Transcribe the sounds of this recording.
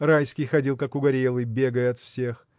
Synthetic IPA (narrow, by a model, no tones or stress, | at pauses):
rajskʲɪjxɐdʲilˠkakʊɡɐɾʲelˠɨbʲe̞ɡəjəɐt̪fsʲe̞x